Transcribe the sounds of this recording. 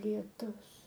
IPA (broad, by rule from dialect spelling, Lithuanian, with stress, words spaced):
lʲiɛˈtʊs